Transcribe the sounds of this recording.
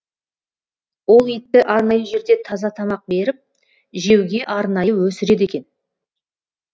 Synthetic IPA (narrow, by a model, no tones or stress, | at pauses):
wo̞lˠet̪ːɪʔɑɾnɑjəʒe̞ɾd̪e̞t̪ʰɑzɑt̪ʰɑmɑq̚be̞ɾɪp̚ | ʒe̞wɡʲe̞ʔɑɾnɑjəwɵsɪɾe̞d̪e̞kʲe̞n